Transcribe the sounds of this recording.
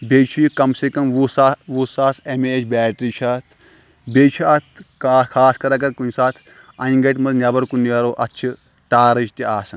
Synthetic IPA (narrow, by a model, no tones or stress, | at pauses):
beːt͡ʃʰujikɐmsekɐmʋusaːʋuːsaːsemeet͡ʃʰbɛːʈɾiːt͡ʃʰaːt̪ʰ | beːt͡ʃʰɐt̪ʰkaːkʰaːskɐɾɐkɐɾkunsaːt̪ʰ | ɐĩŋɡɐʈmɐznʲɐbɐɾkunjɐɾoːʔɐtːt͡ʃʰi | ʈaːɾɐd͡ʒt̪iaːsɐn